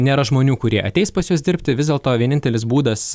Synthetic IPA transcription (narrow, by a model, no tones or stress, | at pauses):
nʲeːɾɐʒmoːnʲuːkʊɾʲiɛʔɐ̰t̪ʲɛɪspɐsjuɔsd̪ʲɪɾʲpʲt̪ʲɪʋʲɪzd̪ʲeːlˠt̪oːʋʲiɛnʲɪnt̪ʲɛlʲɪsbuːd̪ɐs